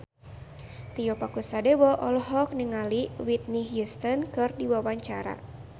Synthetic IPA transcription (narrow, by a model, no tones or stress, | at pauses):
t̪ijɔpakusadɛwɔʔɔlɔɦɔk̚niŋaliwit̪̚niɦjust̪ɔnkɨrdiwawaɲt͡ʃaɾa̰